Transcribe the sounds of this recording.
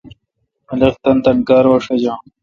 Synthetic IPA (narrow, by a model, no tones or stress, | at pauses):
ɐlext̪ɐnt̪ɐnkaːɾwɐʂɐd͡ʑãː